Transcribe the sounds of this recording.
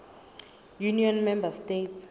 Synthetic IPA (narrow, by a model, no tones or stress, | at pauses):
juniɔnmɛmbastets